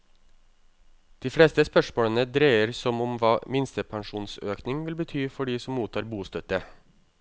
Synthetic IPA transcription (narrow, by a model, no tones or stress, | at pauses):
d̪̥iːfɽeːst̪əspœʂmoːɽənəd̪ɾæɪəɾsɔmɔmʋɑːmɪnst̪əpʰɑŋʂuːnsøːknɪŋʋɪlbət̪ʰyːfɔɖiːsɔmmuːt̪ʰɑːɾbuːst̪œt̪ə